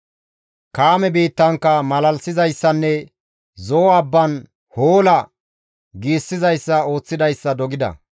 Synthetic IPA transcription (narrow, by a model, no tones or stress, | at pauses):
kaːmɛbiːt̪ːɐŋkːɐmɐlɐlsɪzɐjsːɐnːɛ | zɔːɐbːɐn | hoːlɐ | ɡiːsːɪzɐjsːɐo̞ːt͡sːɪd̪ɐjsːɐd̪ɔɡɪd̪ɐ̰